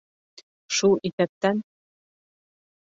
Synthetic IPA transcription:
ʃuit̪æp̚t̪æn

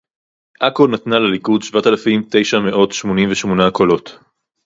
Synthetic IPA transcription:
ʔakonat̪nalelikudʃvat̪alafimt̪e̞jʃame̞ʔo̞tʃmo̞nimveʃmo̞nako̞lo̞t̪

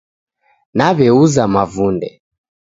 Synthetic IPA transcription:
naβɛuzamavundɛ̰

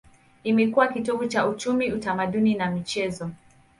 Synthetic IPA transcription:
imɛkuwakituɓut͡ʃaut͡ʃumiutamaɗuninamit͡ʃɛzɔ

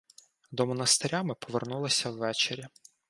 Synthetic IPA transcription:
d̪ɔmɔnɐst̪eɾʲamɪpɔʋernulˠɐsʲɐwːɛt͡ʃeɾʲɐ

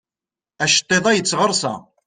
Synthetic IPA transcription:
æʃə̥t̪ˤːeðˤæjət͡sːʁəɾˤsæ̰

